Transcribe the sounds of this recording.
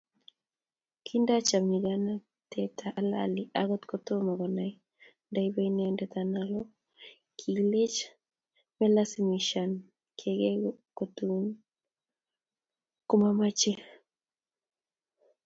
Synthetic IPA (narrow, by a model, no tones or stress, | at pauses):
kʰindat͡ʃamɲiɡana | t̪ʰɛtʰaʔala̰liaɡɔt̪kɔt̪omaɡɔnai | ndaibainɛndɛt̪analɔ | kʰilet͡ʃ | mɛlasimiʃan | kʰeɡɛɡkot̪un | kumamat͡ʃe